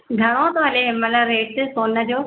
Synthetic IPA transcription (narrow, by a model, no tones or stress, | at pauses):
ɡʱɐɽ̃ot̪oɦɐleɦmɐlaɾeːʈsoːnə̆d͡ʑoː